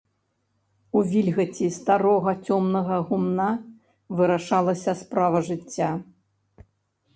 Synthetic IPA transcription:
uvʲilʲɣɐt͡sʲist̪aɾɔɣɐt͡sʲɔmnɐɣɐɣumna | vɨɾaʂalˠɐsʲɐspɾavɐʐɨt͡sʲːa

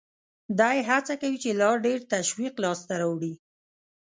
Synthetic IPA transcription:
d̪ɑjeɦat͡sakawit͡ʃelɑɾɖeɾt̪aʃwiqlɑst̪aɾawɽi

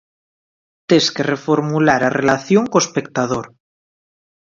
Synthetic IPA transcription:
t̪eskerefoɾmulaɾarelaθjoŋkoespek̚t̪að̞oɾ

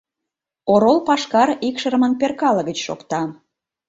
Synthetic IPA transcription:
oɾolpɑʃkɑɾikʃəɾəmənperkɑlə̆ɣət͡ɕʃo̰kt̪ɑ

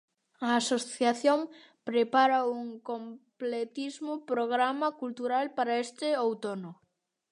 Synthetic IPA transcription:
ɐːsoθjaθjom | pɾepaɾɐuŋkomplet̪izmʊpɾoɣ̞ɾamɐkult̪uɾalpaɾɐest̪ɪowt̪onʊ

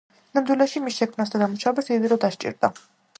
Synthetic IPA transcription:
namd̪wilɛʃimisʃɛkʰmnas̬d̪ad̪amuʃabasid̪iɾɔd̪aʃt͡ʃʼḭɾd̪a

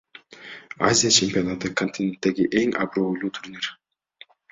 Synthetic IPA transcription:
a̰zʲijat͡ʃʰemʲpʲionat̪ɯkʰonʲt̪ʲinʲent̪ːe̞ɡiʔe̞ŋɑ̰bɾojlˠuːt̪ʰuɾnʲiɾ̥

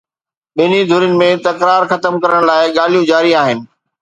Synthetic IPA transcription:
ɓɪnid̪ʱʊɾjʊnɪ̆mẽt̪ɐkɾaːɾxɐt̪əmkɐɾəɽ̃laːɪɡaːl̤ijũd͡ʑaːɾiaːɦɪnɪ̆

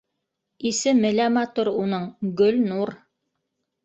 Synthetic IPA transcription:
isɘmɘ̆læmɑt̪uɾunɤɴɡɵlnuɾ

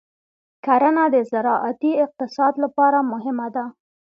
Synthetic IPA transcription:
kaɾənad̪əzaɾɑʔat̪iɪq̚t̪ɪsɑd̪lapɑɾamʊɦɪmad̪a

